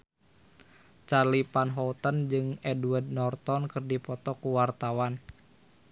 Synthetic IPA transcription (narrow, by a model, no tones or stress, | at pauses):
t͡ʃalipanɦɔt̪ənd͡ʒɨŋɛduard̚nɔrt̪ɔnkɨrdipɔt̪ɔkuwart̪awan